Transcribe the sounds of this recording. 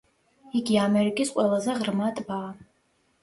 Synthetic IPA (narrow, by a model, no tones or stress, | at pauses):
iɡʲiamɛɾikʼisqʼwɛlˠazɛʁrmat̪ʼbaː